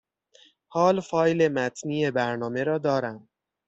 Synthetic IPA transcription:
hɒːlfɒːjle̞mæt̪ʰniːe̞bæɾnɒːme̞ɾɒːd̪ɒːɾæm

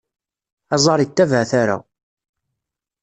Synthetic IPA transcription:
æzˤɑɾˤit̪ːævʕθaɾa̰

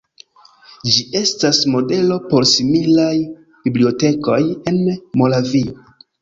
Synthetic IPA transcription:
d͡ʒiʔe̞stasmo̞de̞lo̞po̞ɾsimilaj | biblio̞te̞ko̞je̞nmo̞lavio

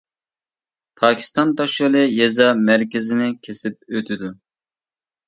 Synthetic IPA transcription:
pʰɑːkʲʰi̥st̪ɑnt̪ɑʃolˠɨjezɑmæɾkʲɪzɪnɪkʲʰesɪp̚øt̪ʰɪd̪u

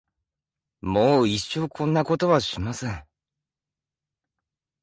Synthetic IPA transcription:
moːiɕo̞ːkʰõ̞nːako̞t̪o̞βaɕimasẽŋ

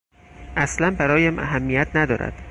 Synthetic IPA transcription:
ʔæslænbæɾɒːjæmʔæ̰ɦæmːijæt̪ʰnæd̪ɒ̰ːɾæ̰d̪̥

